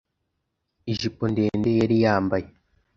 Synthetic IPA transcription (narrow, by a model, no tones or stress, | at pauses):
iʒiponde̞ːndejaɾijaːmbaje